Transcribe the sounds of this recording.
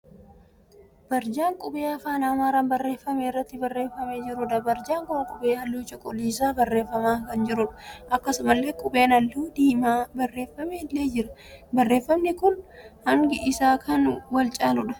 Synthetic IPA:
b̥ɐɾd͡ʒaːŋkʼʊbeːɐfaːnaːmaːɾɐnbɐrːe̞ːfːɐmeːrːɐt̪ːɪbɐrːe̞ːfːɐmeːd͡ʒɪɾʊᶑɐbɐɾd͡ʒaːŋkʊmɐkʼʊbeːɐlːuːt͡ʃɔkʼɔliːsaːbɐrːe̞ːfːɐmaːkɐnd͡ʒɪɾʊᶑɐ̥ʔɐkːɐsʊmɐlːe̞ːkʼʊbe̞ːnɐlːuːd̪iːmaːbɐrːe̞ːfːɐmeːlːe̞ːd͡ʒɪɾɐbɐrːeːfːɐmnɪkʊnhɐŋɡɪʔɪsaːkʰɐnwɐlt͡ʃʼaːlʊᶑɐ̥

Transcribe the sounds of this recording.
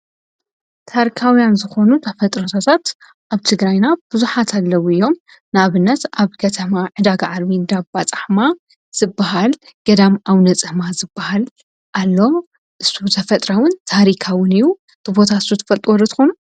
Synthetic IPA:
t̪ʰaɾikʰawjanzɨxo̞nut̪ʰɐfɐt̪ʼɾot̪ʰat̪ʰat̪ | ʔaβt̪ʰɨɡɾajnab̥ɨzuħat̪ʰalːɐwuɨjːo̞m | naβɨnːɐt̪aβkʰɐt̪ʰɐmaʕɨd̪aɡaʕaɾβind̪abbat͡sʼaħma | z̥ɨbːaɦalɡ̥ɐd̪amʔawnɐt͡sʼɨmazɨbːahal | ʔalːo̞ | ʔɨsut̪ʰɐfɐt̪ʼɾawɨnt̪ʰaɾikʰawɨnɨjːu | tɨbo̞t̪ʰasut̪ʰɨ̥fɐlt̪ʼuwɔɾɐt̪ʰɨ̥xonu

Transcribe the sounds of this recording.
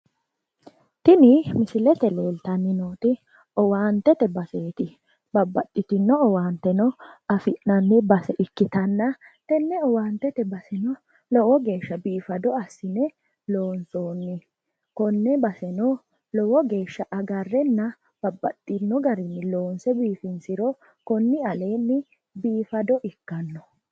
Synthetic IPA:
t̪ɪnɪmɪsɪlɛt̪ɛleːlt̪ɐnːɪnoːt̪ɪ | ɔwaːnt̪ɛt̪ɛbɐseːt̪ɪ | bɐbːɐt̪ʼːɪt̪ɪnːɔɔwaːnt̪ɛnɔɐfɪnnɐnːɪbɐsɛʔɪkːɪt̪ɐnːɐ | t̪ɛnːɛɔwaːnt̪ɛt̪ɛbɐsɛnɔ | lɔwɔɡe̞ːʃːɐbiːfɐd̪ɔɐsːɪnɛ | loːnsoːnːɪ | kɔnːɛbɐsɛnɔ | lɔwɔɡe̞ːʃːɐʔɐɡɐrːɛnːɐ | b̥ɐbːɐt̪ʼːɪnːɔɡɐɾɪnːɪloːnsɛbiːfɪnsɪɾɔ | kɔnːɪɐle̞ːnːɪ | biːfɐd̪ɔʔɪkːɐnːɔ

